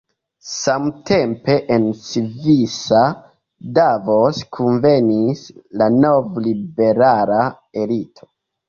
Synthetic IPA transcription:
samtʰe̞mpe̞ʔensvisa | davoskʰunvenislano̞vlibe̞ɾala | e̞litʰo̥

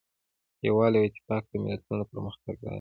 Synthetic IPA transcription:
jawɑlawɪt̪ɪ̥kɑk̚d̪əmɪ̰lat̪unopəɾməxt̪aɡ̚d̪a̰j

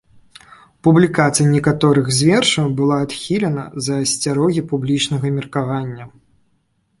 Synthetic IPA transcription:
publʲikat̪sɨjɐnʲɛkat̪ɔɾɨɣzʲvʲɛrʂɐwbɨlˠaːt̪xʲilʲɛnɐ̰zɐːsʲt͡sʲaɾɔɣʲipublʲit͡ʂnɐɣɐmʲirkavanʲːɐ

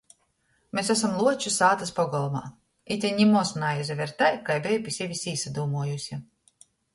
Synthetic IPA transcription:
mʲesæsamlˠuɔt͡ʃusaːt̪aspɔɡɔlˠɔma̰ː | it̪ʲiɲʲimɔsnajɛzʲavʲɛɾt̪ajkajbʲejpʲisʲevʲisiːsad̪uːmuɔjusʲi

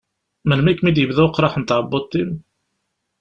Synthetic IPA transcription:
mənmikːmid̪jəvðæqːɾˤɑħənt̪ʕəbot̪ˤːim

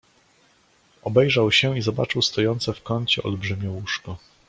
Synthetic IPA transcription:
ɔbɛjʐawɕɛizɔbat͡ʂɘwst̪ɔjɔnt̪sɛfkɔɲt͡ɕɛɔ̰lbʐɘmʲɔwuʂkɔ

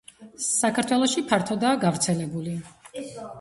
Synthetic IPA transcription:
sakʰaɾt̪ʰwɛlˠɔʃipʰaɾt̪ʰɔd̪aːɡavɾt̪sʰɛlɛbuli

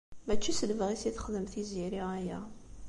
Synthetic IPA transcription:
mæt͡ʃːisələvəʁisiθə̥χəðəmθiziɾiʁæjæ

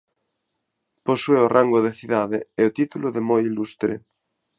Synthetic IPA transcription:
posweoraŋɡoðeθiðaðeeot̪it̪uloðemojilust̪ɾḛ

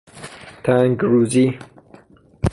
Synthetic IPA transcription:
t̪ʰãŋɡɾuzi

